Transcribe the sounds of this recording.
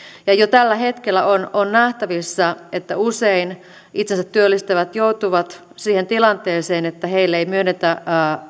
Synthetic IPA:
jɑjot̪ælːæhet̪kelːæʔononnæht̪æʋisːɑet̪ːæusein | ʔit̪sensæt̪ːyølːist̪eʋæt̪jout̪uʋɑt̪ | siːhent̪ilɑnt̪eːseːnet̪ːæheilːeimyønːet̪æː

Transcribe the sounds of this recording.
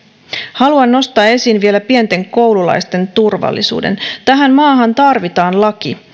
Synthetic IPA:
hɑluɑnːo̞st̪ɑːe̞siːnʋie̞læpient̪e̞ŋko̞wlulɑ̰jst̪e̞nt̪urʋɑ̰lːḭsṵːdḛnt̪æɦæmmɑːɦɑnt̪ɑrʋit̪ɑːnlɑk̟i

